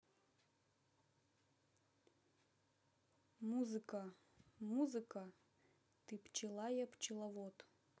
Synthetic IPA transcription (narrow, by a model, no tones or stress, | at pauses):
muzɨkɐ | muzɨkɐ | t̪ɨpt͡ʃɪlˠajɛpt͡ʃɪlˠavɔt̪